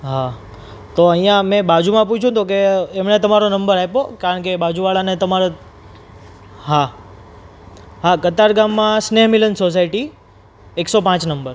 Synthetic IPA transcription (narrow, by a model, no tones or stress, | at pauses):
ɦa | t̪oəĩjãmɛ̃bad͡ʒumãp̬ut͡ʃʰũt̪okeːmɳet̪əmaɾonəmbəɾaepokaɾəɳkebad͡ʒuʋaɭanet̪əmaɾo | ɦa | ɦakət̪aɾɡamːãsneɦmilənsos̬aiʈi | eksopãt͡ʃnəmbəɾ